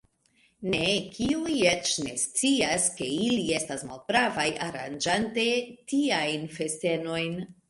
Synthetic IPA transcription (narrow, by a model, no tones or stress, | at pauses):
ne̞kʰiujet͡ʃne̞st͡siaske̞ilie̞stasmalt̚bɾavajaɾa̰nd͡ʒante̞tiajnfe̞ste̞no̞jn